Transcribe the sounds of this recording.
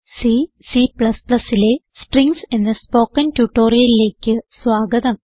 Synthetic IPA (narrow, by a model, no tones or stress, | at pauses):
si | sipɭɐspɭɐsːile̞sʈriŋɡsenːɐspo̞ːkːɐntuʈːo̞ːrijɐlile̞ːkʲːɨsʋaːɡɐðɐm